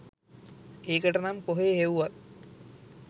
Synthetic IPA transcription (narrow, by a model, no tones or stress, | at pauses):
eːkəʈənamkoɦeːɦeʋuʋat̪̚